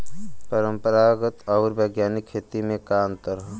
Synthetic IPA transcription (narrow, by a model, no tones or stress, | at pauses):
pəɾəmpəɾaːɡət̪ɔːɾbəɡjaːnɪkʰːeːt̪imẽkaːmt̪əɾɦ